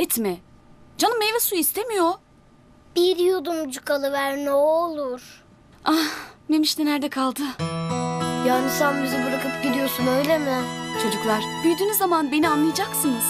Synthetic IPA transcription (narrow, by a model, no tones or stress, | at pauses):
ɛt̪mɛ | d͡ʒanɯmejvɛsuist̪ʰemijo | b̥iɾjud̪umd͡ʒukʰalˠɯvæɾnɛolˠuɾ̥ | ane̞miʃt̪ɛnæɾd̪ɛkʰalˠd̪ɯ | jaːnisænbizibuɾakɯp̚ɟid̪ijosunø̞jlʲemɪt͡ʃʰo̞d͡ʒuklˠaɾ̥b̪̥yjd̪yːnizːamanbe̞nianlˠɯjad͡ʒaksɯnɯz̥